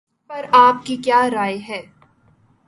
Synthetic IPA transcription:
pɐɾaːp̚kikjaːɾaːjɦɛː

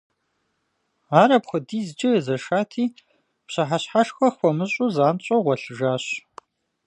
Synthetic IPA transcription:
aːɾɐpχʷʊdiːzd͡ʒɐzɐʃaːtʰiː | psɕɐħaɕħaʂxʷɐxʷɔmɨɕʼuzaːnt͡ɕʼoʁʷɔɬɨʒaːɕ

